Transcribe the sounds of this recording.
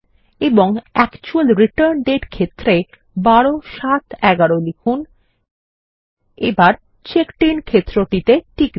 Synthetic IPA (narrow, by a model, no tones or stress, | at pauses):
eboŋɛkt͡ɕualɾiʈəɾnɖeʈkʰet̪ːɾe | baɽoʃat̪ɛɡaɾolikʰun | ebaɾ | t͡ɕekʈinkʰet̪ːɾoʈit̪eʈʰik